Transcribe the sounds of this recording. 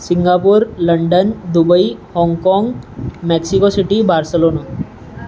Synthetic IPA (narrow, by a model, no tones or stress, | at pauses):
sɪŋɡapuɾləɳɖənd̪ubəihɔ̃ŋɡkɔ̃ːŋɡmɛksikosiʈibaːɾsəloːna